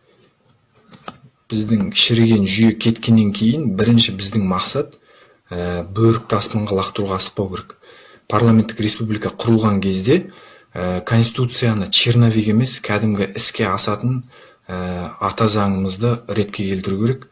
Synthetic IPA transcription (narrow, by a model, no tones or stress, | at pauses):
b̥ɪzd̪ɪŋʰʲʃɪɾɡʲe̞nʒʏje̞kʲʰe̞t̪kʲe̞nːe̞ŋkʲʰe̞jɪnbɪɾɪnʃɪbɪzd̪ɪŋmɑqsɑt̪ | əbɵɾɪk̚t̪ɑspɑɴʁɑlˠɑqt̪əɾuʁɑsə̥q̚pːɑwkʲʰe̞ɾek | pʰarlˠamet̪ːɪkɾʲe̞spublˠikɑqʰʊɾəlˠʁɑŋkʲʰe̞zd̪e̞ | əkʰo̞nst̪i̥t̪ut̪sɨjanət͡ʃʰirnovʲijɡe̞me̞skʲʰæd̪ɪmɡʲɪʔɪskʲe̞ɑsɑt̪ən | əɑt̪ɑzɑɴəməzd̪əɾe̞t̪̚kʲe̞kʲʰe̞lt̪ɪɾukʲʰe̞ɾe̞k